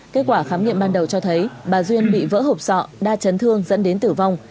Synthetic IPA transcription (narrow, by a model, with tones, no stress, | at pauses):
ke˦˥t̚kwaː˧˩xaː˨˦mŋḭ˧˨əmɓaː˧nɗə˨˩wt͡ɕɔ˧t̪ʰə˨˦jɓaː˨˩zwi˧ənɓḭ˧˨və̰ː˧˥ɦo˨˩k͡p̚sɔ̰˧˨ɗaː˧t͡ɕə˨˦nt̪ʰɨ˧əŋzə̰˧˥nɗe˨˦nt̪ɨ˧˩va˧wŋ͡m